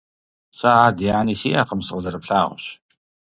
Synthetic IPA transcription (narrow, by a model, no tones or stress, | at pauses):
saadiːʕaniːsiːa̰ːqəmsɨqəzɐɾɨpɬaːʁ̰ʷɕ